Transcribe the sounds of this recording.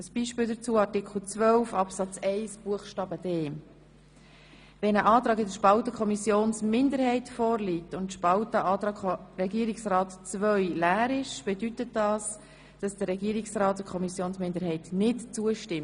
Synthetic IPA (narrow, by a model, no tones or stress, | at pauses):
əsb̥iːʃpɪːldət͡suːəɑɾtɪkχl̩t͡svœlfɑpsɑt͡sɛɪsb̥uəχʃtɑːbəd̥ɛːm | vɛnəʔɑːt̪ɾɑːɡɪdəʃpɑltəkʰɔmisjoːnsmɪndəɾhɛɪtfɔːɾliːtʊnʃpɑwtəɑːtɑɾɛɡiːəɾɪksrɑːtt͡svœɥlæːɾɪʃb̥ɛdytət̚d̥ɑːs | d̥ɑsd̥əɾɾɛɡiːəɾɪksrɑːt̚dəkʰɔmisjoːnsmɪndəɾɦɛɪtnɪtt͡suəʃtɪm